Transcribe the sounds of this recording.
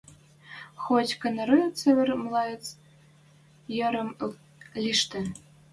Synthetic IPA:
xotʲkɤ̆nɤ̆ɾɯt͡seβʲɘ̆rmlˠɑjə̆t͡s | jɤ̆ɾɤ̆m | lʲiʃt̪ɘ̆

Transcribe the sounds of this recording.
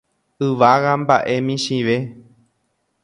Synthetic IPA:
ɨʋaɣamba̰ʔe̞mĩʃiʋe̞

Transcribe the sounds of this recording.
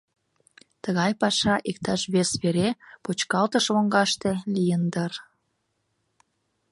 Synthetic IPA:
t̪əɣɑjpɑʃɑʔik̚t̪ɑʃβesβeɾepot͡ɕkɑlt̪əʃβoŋɡɑʃt̪elijənd̪ər

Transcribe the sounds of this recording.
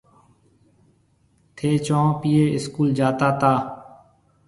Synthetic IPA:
t̪ʰeːt͡ʃɔ̃ːpiːeːɪskuːld͡ʒaːt̪aːt̪aː

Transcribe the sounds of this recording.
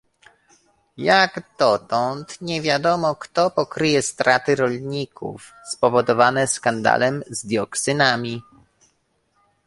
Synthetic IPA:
jaɡd̪̥ɔt̪ɔnt̪ɲɛvʲjad̪ɔmɔkt̪ɔpɔkɾɘjɛst̪ɾat̪ɘɾɔlɲikʰṵf | spɔvɔd̪ɔvanɛskand̪a̰lɛmzd̪ʲjɔksɘnamʲi

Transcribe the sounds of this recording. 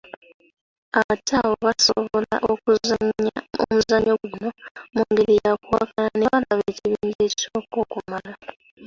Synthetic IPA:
aβatʰaːβoβaso̰βolaʔo | o̰muzaɲoɡuno̞muŋɡeɾijakwakalaneβalaβeciβiːɲɟe̞ːcoːko̞ːkumala

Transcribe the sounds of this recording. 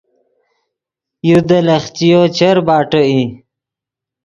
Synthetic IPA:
jud̪əlɐχt͡ɕijot͡ɕʰəɾbaːʈoi

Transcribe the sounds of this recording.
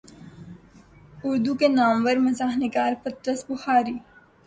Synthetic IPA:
ʊɾd̪ukenaːmʋəɾmɐzaːɦnɪɡaːɾpɐt̪ɾəsbʊxaːɾiː

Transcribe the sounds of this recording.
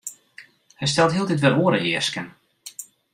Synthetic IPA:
hɛjs̬tɛlˠtɦiəlˠdɪtʋɪlˠoːəɾəɪəskən

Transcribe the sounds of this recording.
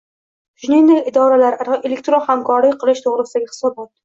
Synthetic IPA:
ʒʊninɪlɪd̪ɒɾalaɾaɾʔelek̚ʲt̪ɾonamkʰɒɾɪqʰɨlˠɪʃt̪ʰoʁɾɪsɪd̪aɡʲɪhɪ̥sɒbɒt̪̚

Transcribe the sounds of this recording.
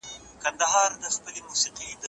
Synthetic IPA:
kɐnd̪ɐɦɑːɾd̪ɐspɐlimusiqid̪

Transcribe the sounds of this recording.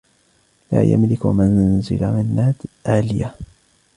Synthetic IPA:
la̰ːja̰mlɪkmanzɪlamɪnːaːd̪ʔaːlɪja

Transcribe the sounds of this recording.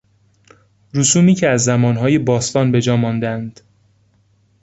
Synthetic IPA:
ɾusuːmiːcʰeæzːæmɒːnɦɒːjebɒːst̪ɒːnbe̞d͡ʒɒːmɒːnd̪ænd̪̥

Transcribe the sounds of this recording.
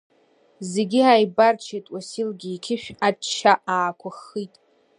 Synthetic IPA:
zeɡʲiajbart͡ʃʰetʼwasilɡʲiːkʲʰɪʃᶣat͡ʃʰːaʔaːkʷʰaχitʼ

